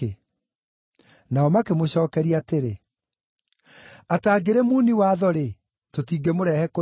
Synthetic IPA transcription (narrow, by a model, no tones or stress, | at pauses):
naɔmakemoɕɔːkɛɾiateɾe | ataːɡeɾemuniwaðɔɾe | totiːɡemoɾɛhɛko